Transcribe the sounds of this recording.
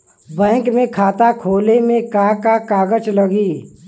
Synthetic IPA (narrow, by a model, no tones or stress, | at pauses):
bɛ̃ːŋkmẽkʰaːt̪akʰoːlemẽkakakaːɡət͡ʃləɡiː